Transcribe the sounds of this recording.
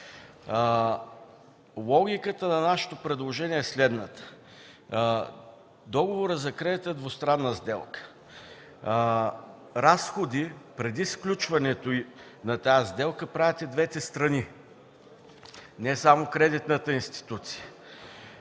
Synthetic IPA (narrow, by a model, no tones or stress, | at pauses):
lˠɔɡʲikət̪ənɐnaʃə̥t̪opɾɛd̪lˠoʒɛniɛːslɛd̪nət̪ə̥ | d̪ɔɡovoɾəzɐkɾɛd̪it̪ɛd̪vost̪ɾanːəzd̪ɛlˠkə̥ | ɾasxod̪ipɾɛd̪isklʲut͡ʃvɐnɛt̪oi | nɐt̪azd̪ɛlˠkəpɾavɛt̪ɛd̪vɛt̪ɛst̪ɾɐni | nɛsamokɾɛd̪it̪nət̪əinst̪i̥t̪ut̪si̥jə